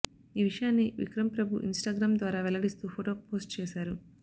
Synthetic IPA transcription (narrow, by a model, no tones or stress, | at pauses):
iːʋiʂɐjaːnːiʋḭkɾɐmpɾɐbʱuʔinsʈaːɡɾaːmd̪ʋaːɾaːʋɛlɐɽist̪uːpʰoːʈoːpoːsʈt͡ʃeːʃaːɾu